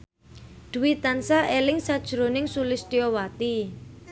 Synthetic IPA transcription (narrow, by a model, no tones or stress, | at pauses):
d̪̥uwit̪ansaʔelɪŋsad̥ʒ̥ɾonɪŋsulɪst̪iɔwat̪i